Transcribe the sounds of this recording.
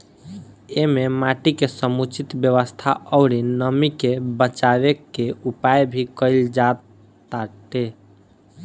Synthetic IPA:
ememaʈikesəmut͡ʃit̪bjəβəst̪ʰaɔʊɾinəmikebət͡ʃaβekːeupajbʱikəɪld͡ʒat̪ | aʈe

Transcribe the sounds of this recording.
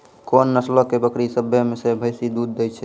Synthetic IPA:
konːəslɔkebəkɾisəbʱəmesebʱəjsid̪ud̪ːejt͡ʃʰɛ

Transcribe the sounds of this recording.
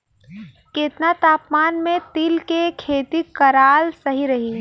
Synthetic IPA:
keːt̪nat̪aːpmaːnmẽt̪ɪlkekʰeːt̪ikɐɾaːlsɐɦiɾɐɦi

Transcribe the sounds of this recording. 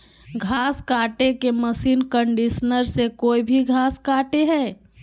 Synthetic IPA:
ɡʱaːskaːʈekeməsiːnkəɳɖiʃnəɾsekoːibʱiɡʱaːskaːʈeɦɛː

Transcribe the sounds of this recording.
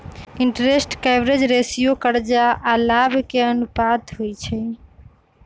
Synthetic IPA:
iɳʈɾesʈkabɾed͡ʒɾesijokəɾd͡ʒaʔalabkeənupad̪ɦojt͡ʃʰɛ

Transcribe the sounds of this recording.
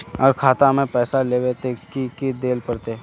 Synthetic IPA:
əɾkʰaːt̪amẽpɛːsaleːʋet̪ekikid̪eːlpɐɾt̪eː

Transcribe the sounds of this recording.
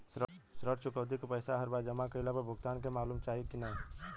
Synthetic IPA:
s | sɾəɾt͡ʃʰʊkəʊt̪̬ikopəɪsaɦəɾbaːd͡ʒəmakəɪlapəbʱʊɡt̪aːnkemaːluːmt͡ʃaːɦikina

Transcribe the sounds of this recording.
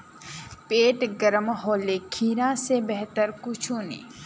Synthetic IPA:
peːʈɡəɾəmɦoːlekʰiːɾãsebɛɦt̪əɾkʊt͡ʃʰuːnḭː

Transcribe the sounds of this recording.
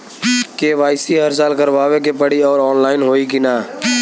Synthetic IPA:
keʋaːɪsiɦəɾs̬aːlkəɾʋaːʋek̬epəɽiɔːɾɔːnlaːɪnɦoːikinaː

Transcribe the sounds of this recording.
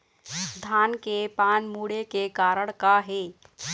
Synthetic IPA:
d̪ʱaːnkepaːnmuːɽekekaːɾəɽ̃kaɦeː

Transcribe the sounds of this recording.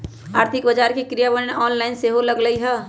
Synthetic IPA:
aːɾt̪ʰɪkbəd͡ʒaːɾkekɾijabənnɔːnlaɪnseɦoləɡləiɦɛː

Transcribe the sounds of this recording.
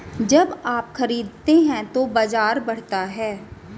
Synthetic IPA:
d͡ʒɐbaːpxɐɾiːd̪̚t̪eɦɛ̃t̪obaːd͡ʒaːɾbɐɽ̤t̪aɦɛː

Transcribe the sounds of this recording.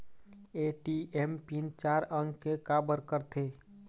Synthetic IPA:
eʈiempint͡ʃaɾəŋɡkekabəɾkəɾt̪ʰe

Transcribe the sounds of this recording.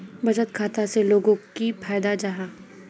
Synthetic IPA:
bɐd͡ʒət̪kʰaːt̪aseloːɡõkipʰaːjd̪ad͡ʒaɦaː

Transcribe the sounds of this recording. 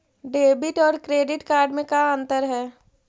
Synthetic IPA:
ɖeːbɪʈɔːɾkɾeːɖɪʈkaːɾɖmẽkaə̃nt̪əɾɦɛː

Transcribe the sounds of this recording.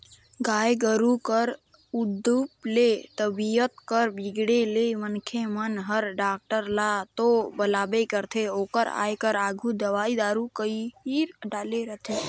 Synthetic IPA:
ɡaːjɡəɾukəɾ | ud̪uplet̪əbijət̪kəɾbiɡɽelemənkʰemənɦəɾɖaːk̚ʈəɾlat̪obəlaːbekəɾt̪ʰeoːkəɾa̰ːjkəɾa̰ːɡʱud̪əʋaːid̪aːɾukəiiɾɖaːleɾət̪ʰe

